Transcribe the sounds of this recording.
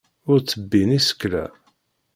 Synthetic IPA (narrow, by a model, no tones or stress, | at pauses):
ʊɾt͡sːəbːinisə̥kːlæ̰